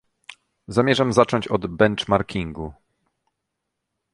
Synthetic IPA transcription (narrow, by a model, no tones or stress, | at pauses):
zamʲjɛʐamzat͡ʂɔɲt͡ɕɔd̪bɛnt͡ʂmaɾkʲiŋɡu